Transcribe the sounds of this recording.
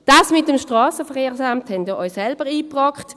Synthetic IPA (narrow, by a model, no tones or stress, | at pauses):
d̥ɑːsmɪt̚ːɛmʃtʁɑːsəfəʁeːʁsamthɛnd̥iːɔʏssɛlb̥əʁiːpʁɑkχt